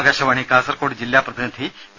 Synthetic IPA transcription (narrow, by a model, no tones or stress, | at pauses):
ɡaʃɐʋaːɳ̃ikaːsəɾkoːʈd͡ʑɪljapɾɐt̪ʰint̪ʰi